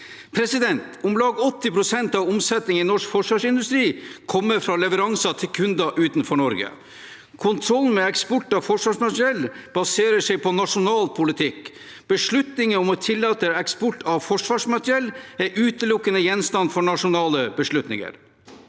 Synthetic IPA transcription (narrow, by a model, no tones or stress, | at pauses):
pʰɾɛsɪd̪ɛnt̪ʊmlɑːɡɔt̪ːɪpʰɾʊsɛnt̪ɑʋʊmsɛt̪nɪŋɪnɔʂkfɔʂʋɑːʂɪnd̪ʉst̪ɾiːkʰɔmːəɾfɾɑːlɛʋəɾɑŋsɑt̪ʰɪlkʰʉnd̪ɑʔʉːt̪n̩fɔɳɔɾɡə̰ | kʰʊnt̪ʰɾɔlnmɛɛkspɔʈːɑʋfɔʂʋɑːʂmɑt̪ɾɪɛlːb̥ɑseːɾəʂɛɪpʰɔnɑʂʊnɑːlpʰʊlɪt̪ʰɪk | b̥əʂɭʉt̪nɪŋəɔmɔt̪ʰɪlːɑːt̪əɛkspɔʈːɑʋfɔʂʋɑːʂmɑt̪ɾɛlæɾʔʉːt̪əlʊkːənəjɛnst̪ɑnfɔɳɑʂʊnɑːləbəʂɭʉt̪nɪ̰ŋə̰ɾ